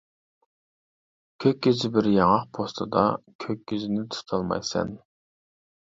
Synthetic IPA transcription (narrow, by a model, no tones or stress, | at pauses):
kʲʰøkʲːizɪbɪɾjɑŋɑqpʰost̪ʰɨd̪ɑ̰kʲʰøk̚ʲːizɪnɪt̪ʰu̥t̪ʰɑlˠmɑ̰jsɛ̰n